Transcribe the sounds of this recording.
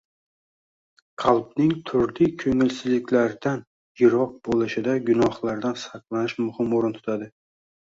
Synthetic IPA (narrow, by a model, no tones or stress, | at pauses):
qʰɑlˠbnɪŋt̪ʰʊɾlɪkʰɵŋɪlsɪzlɪkʲlaɾd̪an | jɪɾɒq̚b̥olˠɪʃɪd̪aɡʊnɒhlˠaɾd̪ansɑqlˠanɪʃmʊhɪmoɾɪnt̪ʰʊ̥t̪ʰad̪ɪ